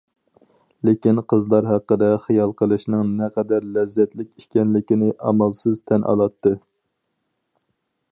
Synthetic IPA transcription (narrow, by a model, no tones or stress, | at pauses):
lekʲinqʰəzlˠɑɾɦæqːəd̪ɛχijɑlˠqʰəlˠɨʃnɨŋnɛqʰɛd̪æɾlɛzːɛt̪lɪk̚ʲi̥ʃkʲɛnlɪkʲinɪʔɑ̰mɑlˠsɨzt̪ʰɛnʔɑ̰lˠɑt̪ːɨ